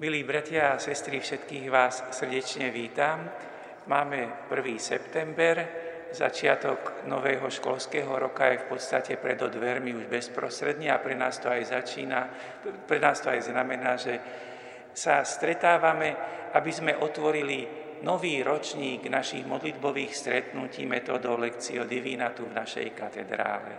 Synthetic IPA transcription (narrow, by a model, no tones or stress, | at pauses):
miliːbɾac̪ɪaasɛst̪ɾifʃɛt̪kiːɣʋaːssr̩ɟɛt͡ʃɲɛʋiːt̪am | maːmɛpr̩ʋiːsɛ̰pt̪ɛmbɛɾ | za̰t͡ʃɪat̪ɔɡnɔ̰ʋɛːɦɔʃkɔ̰lskɛːɦɔɾɔkajɛfpɔt̪st̪acɛpɾɛd̪ɔd̪ʋɛɾmiuʒbɛspɾɔst̪ɾɛd̪ɲɛapɾɛnaːst̪ɔajzat͡ʃiːna | pɾɛnaːst̪ɔajznamɛnaːʒɛ | sast̪ɾɛt̪aːʋamɛʔabizmɛʔɔt̪ʋɔɾili | nɔʋiːɾɔt͡ʃɲiːɡnaʃiɣmɔd̪lid̪bɔʋiːxst̪ɾɛt̪nucḭːmɛt̪ɔːd̪ɔʊlɛkt͡siɔd̪iʋiːnat̪uvnaʃɛ̰jkat̪ɛd̪ɾa̰ːlɛ̰